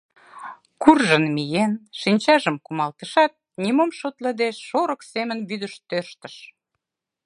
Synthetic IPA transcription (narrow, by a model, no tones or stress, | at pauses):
kurʒənmijenʃinʲt͡ɕɑʒəmkumɑlt̪əʃɑt̪̚ | nʲimomʃot̪ləd̪eʃːoɾəksemənβyd̪əʃt̪øʃt̪ə̥ʃ